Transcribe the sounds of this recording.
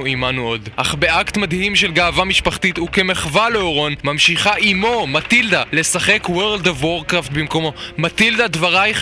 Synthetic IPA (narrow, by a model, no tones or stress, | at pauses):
uimanuo̞dʔaχbeʔakt̪mad̪himʃe̞lɡaːvamiʃpaχt̪it̪uke̞meχvaleoʁo̞nmamʃiχaʔimo̞matild̪ale̞saχekweʁld̪ovwoʁkʁaft̪̚bimko̞mo̞matild̪ad̪vaʁaj